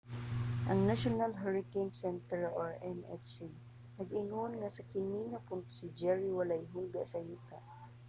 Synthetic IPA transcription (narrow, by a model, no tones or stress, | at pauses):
ʔɐŋnaʃʊnalɦɛɹɪkejnsɛnt̪ɛɹoɹɛnɛ̰si | nɐɡɪŋonŋasakɪniŋapʊnt̪ʊ̥sɪd͡ʒɛɹiwalajɦʊlɡaʔsɐjut̪aʔ